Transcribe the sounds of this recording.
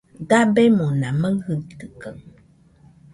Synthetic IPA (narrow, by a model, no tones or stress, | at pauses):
dabɛmonaməŋhətəkəŋ